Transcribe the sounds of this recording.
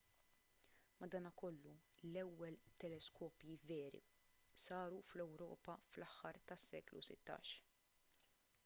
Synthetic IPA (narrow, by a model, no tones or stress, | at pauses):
mɐd̪ɐːnɐkɔlːulɛwːɛlt̪ɛlɛskɔːpjivɛːɾḭ | sɐːɾuflɛwɾɔ̰ːpɐflɐħːɐɾt̪ɐsːɛːklṵsɪ̰t̪ːɐ̰ːʃ